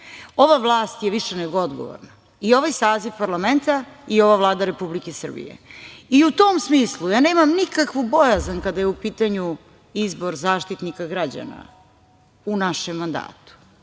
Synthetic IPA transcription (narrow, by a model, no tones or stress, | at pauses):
o̞ʋaʋlˠaːst̪jeʋiʃeneɡo̞o̞d̪ɡo̰ʋo̰ɾna | io̞ʋajsaːziʋpaɾlame̞nt̪aio̞ʋavlˠaːd̪aɾe̞publikesr̩bḭjḛiut̪omsmiːslˠujaːne̞ːmamnikakʋubo̞jazankad̪ajeupiːt̪aɲu | izboɾzaːʃt̪it̪nikaɡɾad͡ʑa̰na̰ | unaʃemːand̪a̰ːt̪u̥